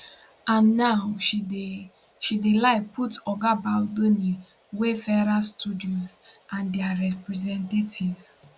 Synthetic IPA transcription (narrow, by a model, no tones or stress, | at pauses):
ãnːaʊʃi | ʃidelaɪputɔɡabaʊdoni | wefɛɾastudiɔ̃nsãndeaɾɛpɾɛzɛ̃ntetʰiv